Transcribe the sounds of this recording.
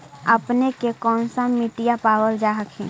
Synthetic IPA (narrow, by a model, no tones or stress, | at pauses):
əpnekekɔːnsamiʈijapaːwəld͡ʒaːɦəkʰɛ̰̃ː